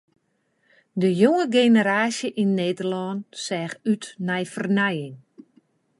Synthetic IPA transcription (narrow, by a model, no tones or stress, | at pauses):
dəjoŋəɡenəɾaːsjəʔinːeːdərlɔnsɛːxytnɛjfərnɛjɪŋ